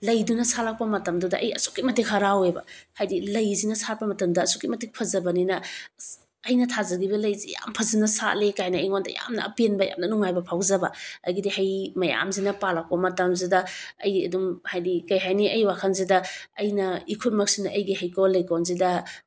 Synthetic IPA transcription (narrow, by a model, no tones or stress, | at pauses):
lɐjdunɐsalak̚pɐmɐtɐmdudɐʔɐ̰jɐ̰su̥kːimɐtik̚ɦɐɾawebɐ̰hajdilɐjzinɐsat̚pɐmɐtɐmdɐːsukːimɐtik̚pʰɐzɐbɐninɐ | ɐjnɐtʰazɐɡibɐlɐjzija̰mpʰɐzinɐsa̰lekajnɐjŋondɐ̰ja̰mnɐ̰ɐ̰penbɐja̰mnɐnuŋajbɐpʰawzɐbɐɐ̰jɡidihɐjmɐja̰mzinɐpalak̚pɐmɐtɐmzidɐɐ̰jɐ̰dumhajdikɐjɦajniɐjwakʰɐnzidɐɐjnɐikʰut̚mɐk̚sinɐʔɐjɡihɐjkowlɐjkonzidɐ